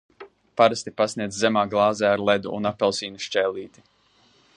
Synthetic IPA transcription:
paɾast̪ipasniɛzʲzɛmaːɡlˠɑːzɛːaɾlˠɛd̪ṵṵnapːɛlˠsiːnuʃt͡ʃɛːlʲˠiːt̪i̥

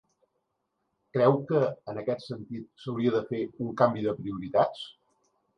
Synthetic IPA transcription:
kɾɛwkəːnəkɛt̪sənt̪it̪̚səwɾiəðəfeuŋkambiðəpɾiuɾit̪at͡s

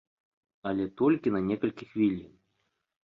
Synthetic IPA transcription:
ɐlʲɛt̪ɔlʲkʲinɐnʲɛkɐlʲkʲixvʲilʲi

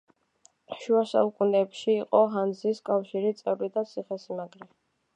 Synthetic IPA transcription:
ʃuasa̰ukʼunɛːpʃiːqʼɔɦand̪ziskʼafʃiɾit̪sʼɛvlid̪at̪sʰiχɛsimaɡɾi

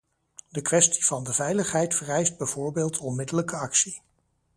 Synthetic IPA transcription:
dəkʋɛsti̥v̥ɑndəvɛjləχɦɛjtfərɛjsd̚bɛjv̥ʊːɹbeːlˠtʰɔnmɪdələkəɑksi

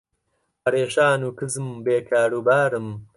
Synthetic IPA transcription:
hɐɾeːʃaːnuːkɨzɨmbeːkʰaːɾuːbaːɾɨm

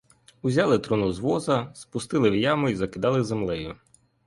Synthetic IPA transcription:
ʊzʲɑlˠɪt̪ɾunuzʋɔzɐspʊst̪ɪlˠɪwjɑmʊizɐkɪd̪ɑlˠɪzemlˠɛjʊ

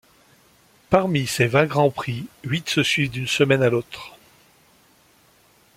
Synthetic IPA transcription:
paʁmisevɛ̃ɡʁɑ̃pχiɥit̪səsɥivd̪ynsəmɛnalot̪χ

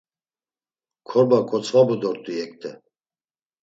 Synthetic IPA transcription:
kʰɔɾbakʰɔt͡sʰvabud̪ɔɾt̪ʼujɛkt̪ʰʼɛ

